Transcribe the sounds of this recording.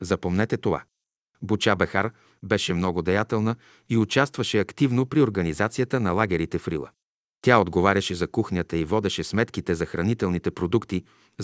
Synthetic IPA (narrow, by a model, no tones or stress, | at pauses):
zɐpomnɛt̪ɛt̪ova̰ | but͡ʃabɛxaɾ | bɛʃɛmnɔɡʊd̪ɛjat̪ɛlˠnə | iʊt͡ʃast̪vɐʃɛɐkt̪ivnopɾioɾɡɐnizat̪sijət̪ənɐlˠaɡʲɛɾit̪ɛfɾḭlˠə̰ | t̪ʲaod̪ɡovaɾʲɐʃɛzɐkuxnʲət̪əivɔd̪ɛʃɛsmɛt̪kit̪ɛzɐxɾɐnit̪ɛlˠnit̪ɛpɾod̪ukt̪i